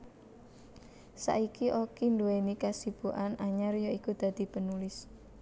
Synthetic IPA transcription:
sa̰ʔikiʔokinduenikasib̥uʔanʔaɲarjoikud̪̥ä̤d̪̥i̤pənulɪs

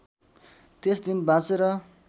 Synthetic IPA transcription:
t̪esd̪inbãt͡seɾʌ

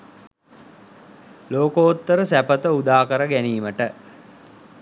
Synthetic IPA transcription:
loːkoːt̪ːəɾəsæpət̪əud̪aːkəɾəɡæniːməʈə

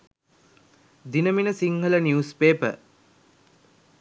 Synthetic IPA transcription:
d̪inəminəsiŋɦələniuspeːpə̰

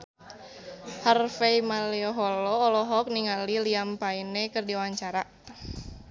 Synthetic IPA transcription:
harfeimaliɔɦɔlɔːlɔɦɔk̚niŋaliliampainekɨrdiwaɲt͡ʃaɾa

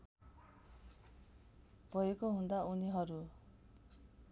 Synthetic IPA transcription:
b̥ʱʌjekoɦũnd̪auniɦʌɾu

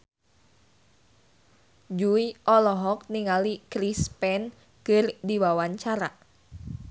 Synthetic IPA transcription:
d͡ʒuiʔɔlɔɦɔk̚niŋalikɾispɛn | kɨrdiwawaɲt͡ʃaɾa

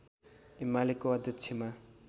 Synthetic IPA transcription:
imalekoʌd̪ʱjʌt͡sʰema

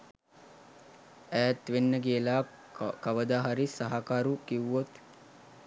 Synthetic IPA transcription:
æːt̪ʋenːəɡiəlaː | kaʋəd̪aːɦaɾisaɦakaːɾukiʋot̪

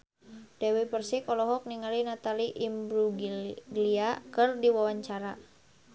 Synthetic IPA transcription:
d̥ɛwipərsikɔlɔɦɔk̚niŋalinat̪aliʔimbɾuɡliakərdiwawaɲt͡ʃaɾa

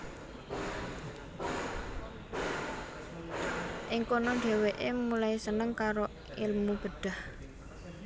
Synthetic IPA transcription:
ʔɪŋkonoɳɖ̪̥e̤weʔemulaisənəŋkaɾo | ɪlmub̥ə̤ɖ̪̥a̤h

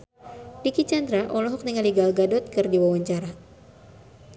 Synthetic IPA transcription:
dikit͡ʃand̪ɾaʔɔlɔɦɔk̚nəŋaliɡalɡadɔt̪̚kɨrdiwawaɲt͡ʃaɾa

